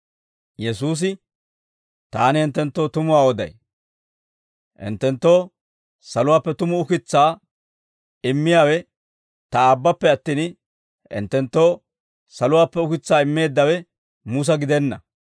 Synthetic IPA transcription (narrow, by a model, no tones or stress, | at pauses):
jɛsuːs̬ɪ | t̪aːnɪɪnt̪ːɛnt̪ːo̞ːt̪ʊmʊwaːɔd̪ɐ̰j | ʔɪ̰nt̪ːɛnt̪ːo̞ː | sɐlʊwaːpːɛt̪ʊmʊʊkɪt͡sːaː | ɪmːɪjaːwɛ | t̪ɐaːbːɐpːɛɐt̪ːiːn | ɪ̰nt̪ːɛnt̪ːo̞ː | sɐlʊwaːpːɛʊkɪt͡sːaːɪmːe̞ːd̪ːɐwɛ | mʊs̬ɐɡɪd̪ɛnːɐ